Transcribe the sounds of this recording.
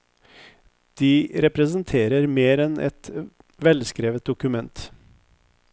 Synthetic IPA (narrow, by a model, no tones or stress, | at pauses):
d̪̥iːɾɛpɾəsənt̪ʰeːɾəɾmeːɾɛnʔɛ̰t̪ | ʋɛlskɾeːʋət̪̚d̪ʊkʉmɛnt̪